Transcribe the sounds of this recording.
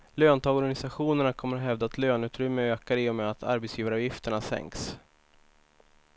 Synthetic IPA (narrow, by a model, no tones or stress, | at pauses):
løːnt̪ʰɔɡɔɾɡanɪsaɧuːnəɳakʰɔmːəɾat̪ɦɛvd̪at̪løːnʉ̟ːt̪ɾʏmːəøːkaɾɪːɔmɛːat̪ʰa̰ɾbɛt̪sjiːvaɾvjɪft̪əɳasɛ̰ŋks